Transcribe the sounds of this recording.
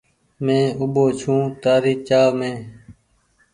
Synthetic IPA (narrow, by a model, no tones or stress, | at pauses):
mẽːʊboːt͡ʃʰũːt̪aːɾiːt͡ʃaːmẽː